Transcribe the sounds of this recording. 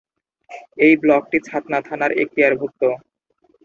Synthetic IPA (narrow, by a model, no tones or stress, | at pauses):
ejblɔk̚ʈit͡ɕʰat̪nat̪ʰanaɾḛk̚t̪iaɾbʱuk̚t̪o